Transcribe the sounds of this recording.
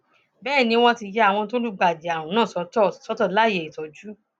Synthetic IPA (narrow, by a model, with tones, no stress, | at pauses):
bɛː˦˨nĩ˧˦w̃ɔ̃˦ti˧jɛ˧˦a˦˨w̃ɔ̃˧tõ˦lu˦ɡ͡ba˨di˨a˨wũ˨˦nãː˦˨sɔ˨˦˨sɔ˨˦tɔ˦˨la˦˨je˨i˨tɔ˨d͡ʒu˦